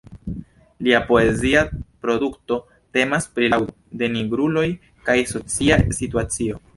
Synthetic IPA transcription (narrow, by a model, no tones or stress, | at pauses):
liapo̞e̞ziapɾo̞dukto̞ | te̞maspɾilaw | de̞niɡɾulo̞j | kajso̞t͡siasituat͡sio̞